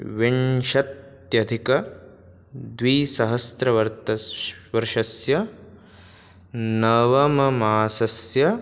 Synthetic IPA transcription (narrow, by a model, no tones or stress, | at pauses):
ʋiɳʃɐt̪ | jɐd̪ʱikɐ | d̪ʋiːsɐɦɐst̪ɾɐʋɐɾt̪ɐʋɐɾʃɐsjɐ | nɐʋɐmɐmaːsɐsjɐ